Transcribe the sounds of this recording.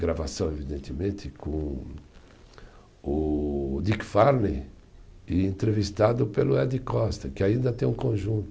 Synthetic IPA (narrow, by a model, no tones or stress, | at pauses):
ɡɾavasɐ̃w̃evid̪ẽnt̪ɪmẽnt̪ɪkõ | ʊd̪ikfaɾne | ɪẽnt̪ɾevist̪ad̪ʊpelʊɛd̪ɪkɔst̪ɐkɪaĩnd̪ɐt̪ẽj̃ũkõʒũnt̪ʊ